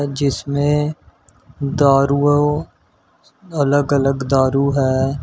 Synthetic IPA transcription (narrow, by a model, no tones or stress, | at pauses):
d͡ʒɪsmẽ | d̪aːɾuo | ələɡələɡd̪aːɾuɦɛː